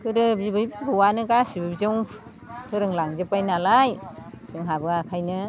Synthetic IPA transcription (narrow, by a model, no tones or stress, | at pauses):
kʰɯɾɯbibɯjbɯwanɯɡasibɯbzɯŋ | kʰɯɾɯŋlaŋzɯpajnalaj | tɯŋɦabɯakʰajnɯ